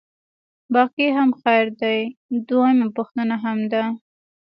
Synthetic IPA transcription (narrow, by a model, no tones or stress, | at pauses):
bɑqiɦamxajɾd̪ajd̪wajmapʊxt̪ənaɦamd̪a